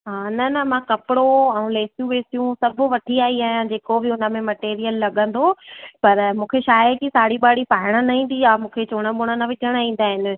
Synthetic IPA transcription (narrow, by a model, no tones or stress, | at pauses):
ɦaːnɐnɐmãkɐpɪɽoɛ̃ũleːsjũʋeːsijũsɐbʱʊ̆ʋɐʈʰiaːiaːɦijãd͡ʑeːkobɪʊnəmẽmɐʈeːɾijəlːɐɠə̃nd̪opɐɾmũːkʰeʃaːjəkisaːɽiɓaːɽipaːɪɽ̃ənɐɦĩːn̆d̪iaːmũːkʰet͡ɕoːɽ̃əɓʊɽ̃ənɐʋɪt͡ɕəɽ̃aĩːn̆d̪aːɦɪnɪ̆